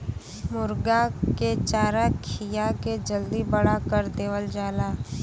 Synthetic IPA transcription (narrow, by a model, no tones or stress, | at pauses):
mʊɾɡaket͡ʃaːɾakʰijaked͡ʒəld̪ibəɽakəɾd̪eːʋəld͡ʒaːlaː